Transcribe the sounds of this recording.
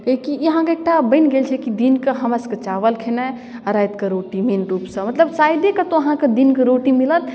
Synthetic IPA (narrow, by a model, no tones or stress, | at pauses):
ekijəɦãkeek̚ʈabəɪnɡelt͡ʃʰɛkid̪inkeɦəməskət͡ʃaʋəlkʰena | ɾajt̪keɾoʈiminɾupsə̃mət̪ləbsajd̪ekət̪oəɦãked̪inkeɾoʈimilət̪